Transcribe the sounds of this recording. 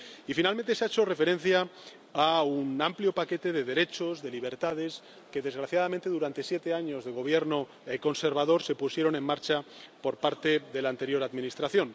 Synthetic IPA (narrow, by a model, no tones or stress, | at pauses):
ifinalmẽnt̪eseaet͡ʃo̞re̞fe̞ɾẽ̞n̟θja | aunampljo̞pake̞t̪e̞ðe̞ðe̞ɾe̞t͡ʃo̞zðe̞liβ̞e̞ɾt̪að̞e̞s | ke̞ðe̞zɣɾaθjað̞amẽnt̪e̞ðuɾant̪e̞sje̞t̪e̞aɲo̞zðe̞ɣ̞o̞β̞jeɾno̞ | eko̞nse̞ɾβað̞o̞ɾse̞pusjeɾonẽ̞mːaɾt͡ʃapo̞ɾpaɾt̪e̞ðe̞lant̪e̞ɾjo̞ɾaðmĩnist̪ɾaθjo̞n